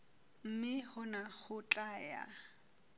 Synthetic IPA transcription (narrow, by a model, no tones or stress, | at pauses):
m̩mɪhʊnahʊt͡ɬʼaːja̰